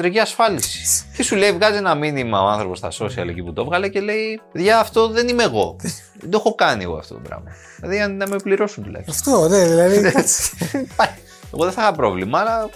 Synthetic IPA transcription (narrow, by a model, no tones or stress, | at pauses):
d̪ɾeciɐsfɐlisi̥t̪isule̞ivɣɐzienɐminimɐo̞ɐnθɾo̞po̞sθɐso̞siɐ̰lḛciput̪o̞vɣɐle̞ce̞le̞ipeðʝɐːft̪o̞ðe̞nimeɣo̞ | ed̪oxo̞kɐniḛɣo̰ɐ̰ft̪o̞t̪bɾɐ̰mɐ | lɐðiɐnnɐmepliɾo̞sunt̪ulɐ̰jçsft̪oneðilɐðine | pɐ | eɣo̞ðeθɐxɐpɾo̞̰vlimɐːlɐ